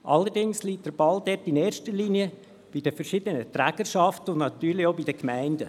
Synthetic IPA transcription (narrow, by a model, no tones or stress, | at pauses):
ʔɑlːəɾdɪŋsliːt̚d̥əɾb̥ɑldɛtɪneːɾʃtəliːniə | b̥idəfəɾʃɪdənətɾæɡ̥əɾʃɑftəʊndnɑt̪yːɾlioʊbidəkmæɪndə